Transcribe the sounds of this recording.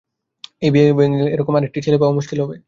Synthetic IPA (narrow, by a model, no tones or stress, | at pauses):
ejbiebeŋileɾɔkomaɾek̚ʈit͡ɕʰelepamuʃkilɦɔbe